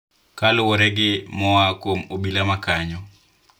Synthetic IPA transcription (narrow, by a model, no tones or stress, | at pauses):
kalʊwoɾɛɡɪmɔwakwomobilamakaɲɔ